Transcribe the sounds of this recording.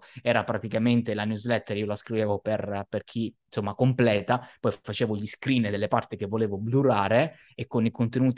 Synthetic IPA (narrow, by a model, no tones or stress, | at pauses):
ɛːɾapɾat̪ikament̪elanjuzlɛt̪ːeɾiːolaskɾiveːvoperperkʰinsomːakomplɛːt̪apɔjfat͡ʃeːvoʎiskɾiːnd̪elːepart̪ik̟evːoleːvobluɾaːɾe | ekːonikont̪enuːt̪